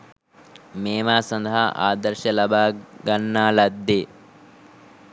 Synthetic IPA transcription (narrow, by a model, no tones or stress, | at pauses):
meːʋaːsɐnd̪ɐɦɐʔa̰ːd̪ɐɾʃɐlɐbʱaːɡɐnːaːlɐd̪ːi